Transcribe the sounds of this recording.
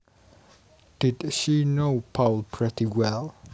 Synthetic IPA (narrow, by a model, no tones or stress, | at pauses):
d̥idʃinopʰalpʰɹitiwɛl